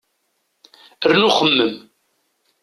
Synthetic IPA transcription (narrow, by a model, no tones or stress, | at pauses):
ərnuχəmːəm